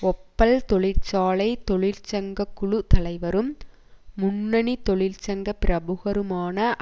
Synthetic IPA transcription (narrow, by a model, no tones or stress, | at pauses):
ɔpːɐlt̪ɔɭɪɾt͡ʃaːlɐɪt̪ɔɭɪlt͡ʃɐŋɡɐkːʊɻɯt̪ɐlɐɪʋɐɾɯmː | ʊnːɐnit̪ɔɭɪlt͡ʃɐŋɡɐpɪɾɐbɯɣɐɾɯmaːnɐʔ